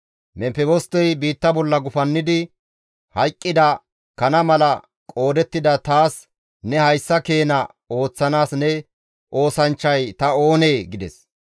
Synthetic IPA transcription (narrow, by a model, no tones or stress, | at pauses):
mɛpɛbɔst̪ɔjbiːt̪ːɐbɔlːɐɡʊfɐnːɪd̪ɪ | hɐjkʼːɪd̪ɐ | kɐnɐmɐlɐ | kʼo̞ːd̪ɛt̪ːɪd̪ɐt̪aːs | nɛhɐjsːɐke̞ːnɐ | o̞ːt͡sːɐnaːsnɛ | ʔo̞ːsɐnt͡ʃːɐjt̪ɐo̞ːne̞ːɡɪd̪ɛs